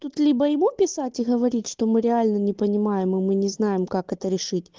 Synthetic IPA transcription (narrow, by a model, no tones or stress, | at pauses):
t̪ut̪lʲibəjɪmupʲɪsatʲɪɣəvɐɾʲitʲʂt̪omɨɾʲɪalʲnənʲɪpənʲɪmajɪmɨmɨnʲɪznajɪmkakɛt̪əɾʲɪʂɨtʲ